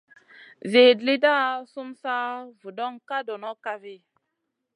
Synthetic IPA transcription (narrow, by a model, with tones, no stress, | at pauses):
ve˨dli˦da˦˨su˦msa˦vu˨dɔ˦ŋka˦do˨nɔ˦ka˦vi˦˨